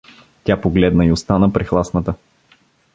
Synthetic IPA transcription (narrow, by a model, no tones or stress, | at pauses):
t̪ʲapoɡlɛd̪nəiʊst̪anəpɾixlˠasnət̪ə